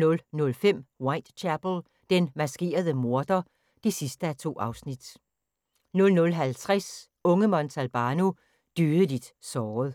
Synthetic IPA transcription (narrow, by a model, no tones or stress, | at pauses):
nɔ̽lnɔ̽lfem̰wɑ̈ɪd̥t͡ɕʰæb̥l̩ | d̥enmæsɡ̥e̝̰ːɐð̞ˠəmo̝ɐd̥ɐ | d̥esisd̥əæt͡sʰo̝̰ːʔɑ̈ʊsnid̥ | nɔ̽lnɔ̽lɦælt͡sʰʁas | ɔ̽ŋəmɒ̽nt͡sʰælb̥ɑːno | d̥yːð̩ˠəlid̥sɒːð̩ˠ